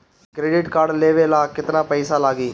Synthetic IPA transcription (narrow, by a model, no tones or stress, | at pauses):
kɾeːɖɪʈkaːɖleːʋeːlaːkɪt̪naːpɛɪsaːlaːɡiː